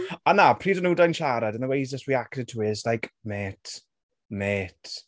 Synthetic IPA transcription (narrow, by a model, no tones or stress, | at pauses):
anapʰr̥iːdənudajnʃaɾadənəwejszd͡ʒəstwiaktɪd̚tʰuɪzlajkmeːtʰ | meːtʰ